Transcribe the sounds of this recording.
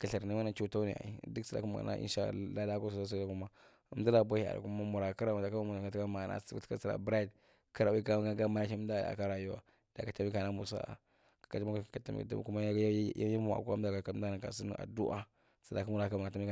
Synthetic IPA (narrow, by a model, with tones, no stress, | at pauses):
ka˨ɬa˨ɾni˦ma˦na˨t͡ʃu˦ta˦nḭ˨a̰˨ḭ˨du˦ksa˨da̰˨kma˨a̰˨na̰˦ʔḭ˦ʃa̰˦˨˦la˦la˦ka˦su˨a˦s̬u˦a˦ku˦ma˦ | ə˦m˦da˦la˨bʷa˦i˦˨a̰˨ɾa̰˨ku˦ma˦mu˨ɾa˨ka˦ɾa˨ma˨da˨ka˦ma˦mu˨sa˨ta˦ma˨na̰˦ta̰˦sa˨ɾa̰˨bɾa˦i˨d | ka˦ɾa˨wka˦m˦ɡa˦ɡa˦ma˨na˦i˦da̰˦˨a̰˨ka˦ɾa˨ju˦wa̰˨ | d̥a˨ka˨ta˦mi˦ka˨na˦mu˨sa̰˦a̰˨ | kḁ˨ka˨ta˦ma˦kḁ˨a˨ta˦mḭ˦kta̰˦ku˦ma˦ja˦mu˦a̰˨kda˨ka˨ka˨˦da˦˨na˨ka̰˨si˦n̰˦ʔa̰˨du˦ʔa̰˦ | sa˨da˨ka˦mu˨ɾa˨˦kma˨a˨ta˦mi˦a˨